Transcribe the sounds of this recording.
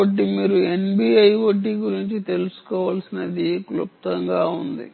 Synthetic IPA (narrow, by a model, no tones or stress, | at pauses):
ɐʈːimiːɾuenbiːɐjʋoʈːiːɡuɾiɲt͡ʃit̪e̞lusu̥kɔːʋaːlsinɐd̪iklup̚t̪ɐŋɡaːund̪ḭ